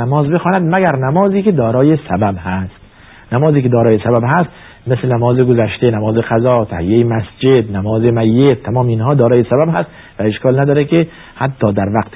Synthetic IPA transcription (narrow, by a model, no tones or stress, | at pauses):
æmɒːzbe̞xɒːnæd̪mæɡæɾnæmɒːziːked̪ɒːɾɒːjesæbæbhæst̪ | næmɒːziːked̪ɒːɾɒːjesæbæbɦæst̪ | meslenæmɒːzeɡozæʃt̪enæmɒːzeqæzɒːt̪ʰæ̰hḭjejemæsd͡ʒed̪næmɒːzemæjːet̪ʰːæmɒːmeiːnɦɒːd̪ɒːɾɒːjesæbæbhæst̪ | væeʃkʰɒːlnæd̪ɒːɾeke | hæt̪ʰːɒːd̪æɾvæqt̪